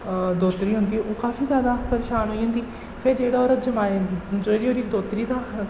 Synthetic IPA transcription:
d̪oːt̪ɾiːɦʊnd̪iːɛʔoːkaːfʰiːzjaːd̪aːpəɾeːʃaːnɦoːiːɦə̃nd̪iː | pʰeɾd͡ʒeːɽaːɔːɾəd͡ʒəmaːd͡ʒoːɽiːoːɾiːd̪oːt̪ɾiːd̪aː

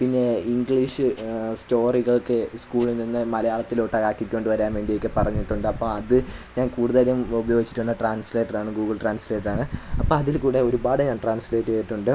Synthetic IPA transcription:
pinːe̞iŋɡɭiʂɨsto̞ːriɣɐɭokːɨskuːɭilninːɨmɐlɐjaːɭɐt̪ːiloːʈːɐkaːkːikʲːo̞ːɳɖɨʋɐɾaːnʋe̞ːɳɖijokːɨpɐrɐɲːiʈːuɳɖɨɐpːoːɐðɨɲaːnkuːɽuðɐɾjumubɐjo̞ːɡit͡ɕːi̥ʈːuɳːɐʈraːnsleʈːɐraːɳɨɡuːɡɨɭʈraːnsleːʈɐraːɳɨɐpːoːɐðilkuːɽe̞o̞ɾubaːɽɨɲaːnʈraːnsleːʈːɨɐjiʈːuɳɖɨ

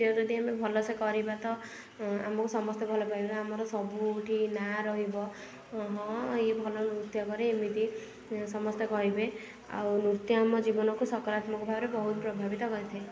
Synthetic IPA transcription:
ɔd͡ʒɔd̪ʱiamebʱɔlɔsekɔɾibat̪ɔ | a̰mɔkusɔmɔst̪ʰjɔbʱɔlɔpaibaːmɔɾɔsɔbuʈʰinaɾɔɦibɔ | ɦɔ̃ebʱɔlɔnuɾt̪jɔkɔɾeːmit̪i | sɔmɔst̪ʰjɔkɔɾibe | a̰wnut̪jɔamɔd͡ʒibɔnɔkusɔkɔɾat̪mɔkɔbʱabɔɾebɔɦut̪̚pɾɔbʱabit̪ɔkɔɾit̪ʰaẽ

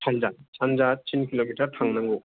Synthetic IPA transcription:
sʰand͡ʒasʰand͡ʒat͡ɕʰinkiloɡitʰaɾtʰaŋnaŋɡu

